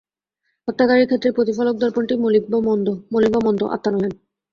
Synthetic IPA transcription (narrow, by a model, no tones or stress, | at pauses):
ɔt̪ːakaɾiɾkʰet̪ːɾepɾot̪ifalok̚d̪ɔɾpoɳʈimolibnd̪omolibamɔnd̪o̰ʔa̰t̪ːanolen